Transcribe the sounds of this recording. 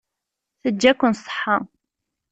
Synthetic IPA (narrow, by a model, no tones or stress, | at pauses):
θəd͡ʒːækʷːʊnsˤə̥ħːɑ